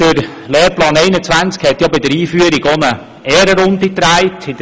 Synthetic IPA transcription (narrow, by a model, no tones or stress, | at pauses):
d̥əɾ | lɛːɾplɑːnɛɪnət͡sʋænt͡skhɛt̪jɑbɪd̪əɾiːfyəɾiɡonə | ɛːɾəɾʊnd̪it̪ɾæɪtɪd